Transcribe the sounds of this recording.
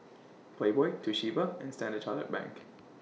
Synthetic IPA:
pʰl̥eɪbɔɪtʰɨʃivəɨ̃nstæ̃ndɨtʰɑə̰t̚b̥æ̰̃ŋk

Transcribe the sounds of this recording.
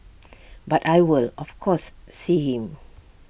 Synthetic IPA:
batajwilɔfkʰɔsːihĩm

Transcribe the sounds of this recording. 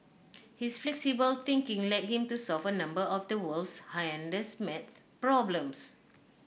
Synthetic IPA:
hisflɛksibəlt̪ĩŋkɪ̃ŋlɛt̚hĩmtusɔlfənãmbəɔfdəwəlshaɛ̃ndəsmɛt̚ | pɹɔblə̃ms

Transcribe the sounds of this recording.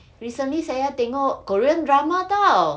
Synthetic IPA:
ɹisə̃nlisajat̪eŋɔʔkoɹiə̃ndɹamat̪a

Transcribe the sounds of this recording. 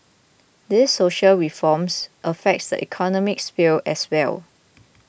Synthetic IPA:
disːoʃəlɹifɔmsʔəfɛk̚tsdə̰ʔḭkʰɔnɔmɪksfilɛswɛ̰l

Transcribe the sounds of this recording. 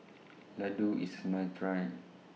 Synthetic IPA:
laduismãtɹaj

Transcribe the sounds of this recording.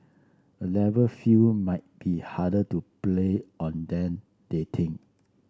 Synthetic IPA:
əlɛvəfumaɪt̚b̥ihadətupleɔ̃ndɛ̃n | d̥etʰɪ̃ŋ

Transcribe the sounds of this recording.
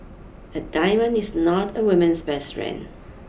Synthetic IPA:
ədaɪmə̃nisnɔtʰəwɪmə̃nsbɛstɹɛ̰̃n

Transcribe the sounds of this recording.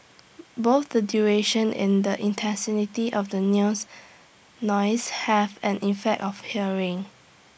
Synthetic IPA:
boθdədjuɹeʃə̃nɪ̰̃ndəʔĩntʰɛ̃sinitiʔɔfdənus | nɔɪshɛvɛ̃nʔifɛk̚tɔfhiəɹɪ̃ŋ

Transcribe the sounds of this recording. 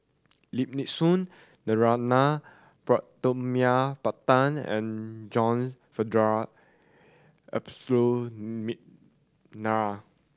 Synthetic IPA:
lip̚nit̚sũnː | əɹana | pɹɔʔt̪omiapat̪ãnɛ̰̃nd͡ʒɔ̃ns | fədɹa | ɛ̰pslomiʔ̚ | naa

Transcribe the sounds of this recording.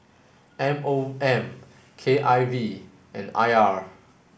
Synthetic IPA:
ɛ̃moɛ̃m | kʰeʔajvi | ʔɛ̃na̰jaɹ

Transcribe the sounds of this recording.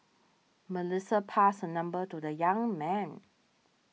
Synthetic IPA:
məlɪsəpʰasənʌ̃mbətudəjãŋmɛ̃n

